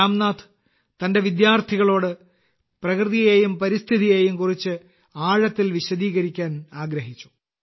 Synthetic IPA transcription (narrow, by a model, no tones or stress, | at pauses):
aːmnaːt̪ʰɨ̥ | t̪ɐnde̞ʋid̪jaːrt̪ʰiɣɐɭo̞ːɽɨ | prɐkrɨðije̞ːjumpɐɾist̪ʰiðije̞ːjumkurit͡ɕːɨ | aːɻɐt̪ːilʋiɕɐðiːɣɐɾikʲːaːnaːɡɾɐɦit͡ɕːu̥